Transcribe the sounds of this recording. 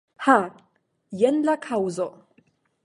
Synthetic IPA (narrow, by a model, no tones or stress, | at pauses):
ha | jɛnlakʰawzɔʔ